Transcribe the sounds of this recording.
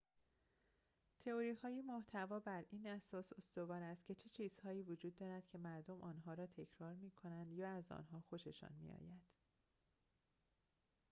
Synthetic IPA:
t̪ʰe̞oɾiːhɒːjemoht̪ʰævɒːbæɾʔiːnæsɒːso̞st̪o̞vɒːɾæst̪̚cʲʰe̞t͡ʃʰe̞t͡ʃʰiːz̥hɒːiːvod͡ʒuːd̪ːɒːɾæd̪̥cʰe̞mæɾd̪o̞mʔɒːnɦɒːɾɒːt̪ʰe̞cʰɾɒːɾmiːkʰo̞nænd̪jɒːæzɒ̰ːnɦɒːxo̞ʃe̞ʃɒ̰ːnmḭɒ̰ːjænd̪̥

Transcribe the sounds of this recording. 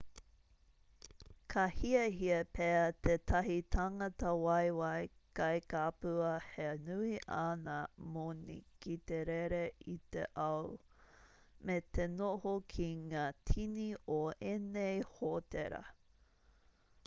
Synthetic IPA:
kʰɐhiɐɦiɐpʰeɐt̪ʰetʰɐɦitʰaŋɐt̪ɐwɐjwɐjkɐjkapʉɐhenʉiʔanɐmonḭkit̪eɾeɾeit̪ḛʔɐw | met̪ʰenohokʰiŋaːtʰinioenejhoteɾɐ̰

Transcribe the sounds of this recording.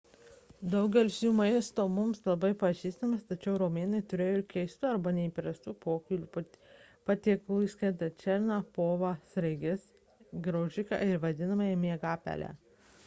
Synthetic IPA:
d̪ɐʊɡʲɛlʲɪsʲjuːmɐɪst̪oːmʊmslˠɐbɐɪpɐʒʲiːst̪ɐmʲɐst̪ɐt͡ʃʲɛʊɾoːmʲeːnɐɪt̪ʊɾʲeːjokʲɛɪst̪ʊɐɾbɐnʲɛiːpʲɾɐst̪uːpoːkʲʊlʲu | pɐt̪ʲiːklˠuːɪsʲkɛt̪ɐt͡ʃʲɛɾʲnɑpoːʋɑsʲɾɐɪɡʲɪs | ɡɾoːʒʲɪkɑ̰ːɪɾʋɐd̪ʲɪnɐmɐjɛmʲeɛɡɑːpʲæ̰lʲæ̰ː

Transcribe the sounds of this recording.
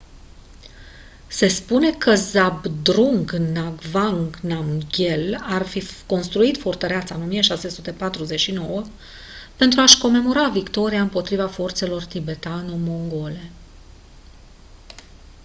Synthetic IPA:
se̞spune̞kʰəzabd̪ɾuŋɡnaɡvaŋɡnamɡʲe̞larfiko̞nst̪ɾuit̪fort̪əɾeat̪saɨnomijəʃase̞sut̪e̞pat̪ɾuze̞t͡ʃʃino̞wə | pe̞nt̪ɾuaʃko̞me̞mo̞ɾavikt̪o̞ɾiaɨmpo̞t̪ɾivafo̞rt̪se̞lo̞rt̪ibe̞t̪anomo̞ŋɡo̞le̞

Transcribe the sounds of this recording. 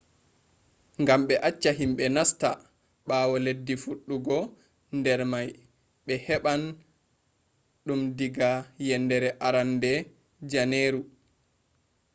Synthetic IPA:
ŋɡamɓɛʔat͡ʃːaɦimɓɛnasta | ɓaːwɔledːifuɗːuɡɔ | ndɛɾmaj | ɓɛhɛɓan | ɗumdiɡajɛndɛɾɛʔaɾandɛ | d͡ʒaneːɾu

